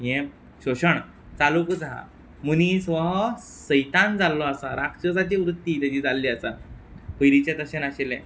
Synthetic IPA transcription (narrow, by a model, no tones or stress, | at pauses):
jẽ | ɕoɕəɳ | t͡salukud͡zaa̰ | munisʋə | səjt̪ãnd͡zalːɔasaɾakʂəd͡zat͡ɕiʋɾut̪ːit̪ad͡ʑiːd͡zalːiasa | pəjɾit͡ɕat̪əɕenaɕelɛ̰̃